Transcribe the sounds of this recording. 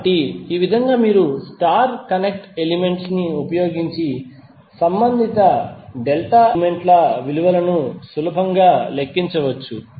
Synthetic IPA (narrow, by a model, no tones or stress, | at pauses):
ɐʈiiːʋid̪ʱɐŋɡaːmiːɾusʈaːɾkɐnek̚ʈelime̞ɳʈsniupɐjoːɡiɲt͡ʃi | sɐmbɐnd̪ʱit̪ɐɖelʈaːme̞ɳʈlɐʋiluʋɐlɐnusulɐbʱɐŋɡaːlekːiɲt͡ʃɐʋɐt͡ʃːu